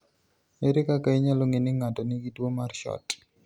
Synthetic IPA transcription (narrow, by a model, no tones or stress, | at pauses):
meɾɪkakaiɲaloŋenɪŋatɔnɪɡidwomarʃɔ̰t